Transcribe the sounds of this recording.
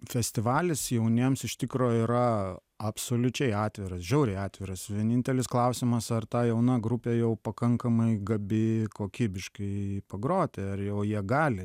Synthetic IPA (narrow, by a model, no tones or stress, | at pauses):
fʲɛsʲt̪ʲɪʋɑːlʲɪsjɛʊnʲiɛmsɪʃʲt̪ʲɪkɾoːiɾɐ | ɐpsoːlʲʊt͡ʃʲɛɪɑːt̪ʲʋʲɪɾɐsʒʲɛʊɾʲɛɪɑːt̪ʲʋʲɪɾɐsʋʲiɛnʲɪnʲt̪ʲɛlʲɪsklˠɐʊsʲɪmɐsɐrt̪ɑːjɛʊnɑɡɾʊpʲeːjɛʊpɐkɐŋkɐmɐɪɡɐbʲɪkoːkʲiːbʲɪʃkɐɪpɐɡɾoːt̪ʲeɐrjɛʊjiɛɡɑːlʲɪ